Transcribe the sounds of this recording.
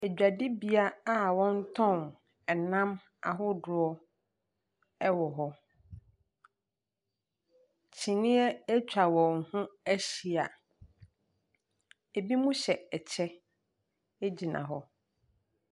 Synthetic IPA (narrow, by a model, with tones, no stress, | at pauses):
e˨d͡ʑᶣa˨dɪ˦bi˨a˦a˦wɔ̃˦n˦tʰɔ̃˦˨n | ɛ˨nã˦m | a̰˨ɦʊ˦dʊ˨ɔ˦ | ɛ˦wɔ˨ɦɔ˦ | t͡ɕʰĩ˨nɪ̃˦ɛ˦ɛ˦t͡ɕᶣa˨wɔ̃˨ŋhũ˦æ˦ɕi˨a˨ | e˨bi˦mũ˦ɕɛ˨ɛ˨t͡ɕʰɛ˦ | e˦d͡ʑi˨nã̰˨ɦɔ˦